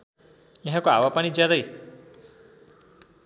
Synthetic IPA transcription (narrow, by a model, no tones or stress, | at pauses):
jaɦãkoa̰wapanid͡zjad̪ʌj